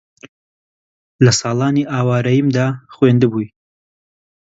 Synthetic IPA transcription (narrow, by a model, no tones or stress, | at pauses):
lɐsɑːlˠɑːniʔaːwɑːɾɐjimd̪aːχweːnd̪ɨbuj